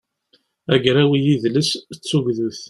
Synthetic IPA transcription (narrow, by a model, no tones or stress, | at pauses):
æɡɾæwijiðləst͡sːuʝðuθ